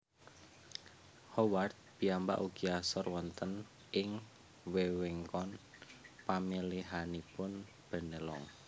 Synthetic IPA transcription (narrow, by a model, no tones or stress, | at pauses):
hɔwart̪̚b̥i̤amba̰ʔuɡiasɔrwɔnt̪ən | ʔɪŋ | weweŋkɔnpamiliɦanipʊn | b̥ə̤nəlɔŋ